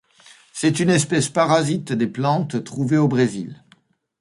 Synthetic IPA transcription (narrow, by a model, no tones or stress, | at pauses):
sɛt̪ynɛspɛspaʁazit̪d̪eplɑ̃t̪ːχuveobʁezil